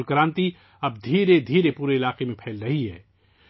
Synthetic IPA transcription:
lkɐɾãːnt̪i | ɐb̚d̪ʱiːɾed̪ʱiːɾepuːɾeɪlaːqemẽpʰɛːlɾɐɦiɦɛ̰ː

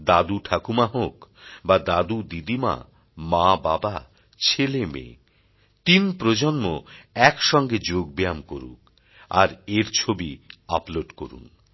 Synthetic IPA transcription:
d̪ad̪uʈʰakumaɦokbad̪ad̪ud̪id̪ima̰ | mãbaba | t͡ɕʰelemḛ | t̪inpɾod͡ʑonmoɛkʃɔŋɡed͡ʑoɡ̚bejamkoɾṵk | a̰ɾeɾt͡ɕʰobiaploɖko̰ɾṵn

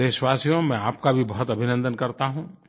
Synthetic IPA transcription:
eʃwaːsjõmɛ̃aːp̚kabʱibɔɦɔt̪ɐbʱɪnə̃nd̪ənkɐɾt̪aɦũː

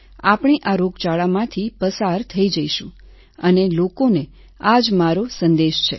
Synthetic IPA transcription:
apɳ̃iʔaɾoɡt͡ʃaɭamãt̪ʰipəsaɾt̪ʰəid͡ʒəiʃũ | ənelokone | ad͡ʒmaɾosənd̪eʃt͡ʃʰe

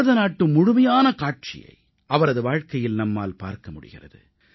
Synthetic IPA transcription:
ðɐnaːʈːɯmːʊɻʊmɐjaːnɐkaːʈ̚t͡ʃɪ̰jɐ̰ɪ | ʔɐʋɐɾɐðɯʋaːɻkɐjɪlnɐmːa̰ːlpa̰ːɾkɐmʊɽɪ̰ɣɪ̰rɐ̰ðɯ̰

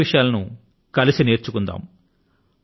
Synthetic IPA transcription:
iʂɐjaːlɐnu | kɐlisineːɾt͡ʃukund̪a̰ːm

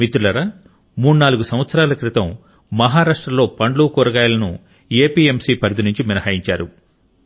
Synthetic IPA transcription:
mit̪ɾulɐɾɐ | muːɽunaːluɡusɐ̃mʋɐt̪sɐɾaːlɐkɾit̪ɐmː | ɐɦaːɾaːʂʈɾɐlo̞ːpɐɳɖluːkɔːɾɐɡaːjɐlɐnṵ | eːpiːemsiːpɐɾd̪inuɲt͡ʃiminɐɦaːjiɲt͡ʃaːɾu

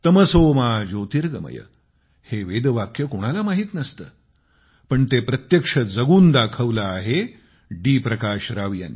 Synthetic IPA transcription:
t̪əməsoːmaːd͡ʒot̪iɾɡəmɐ̰jə̰ | heʋeːd̪ʋakjəkoɽ̃alamaɦiːt̪nɐst̪əː | pəɳt̪epɾɐt̪jəkʂəd͡zɐɡuːnd̪akʰəʋlaːɦe | ɖiːpɾɐkaːʃɾaʋja̰n

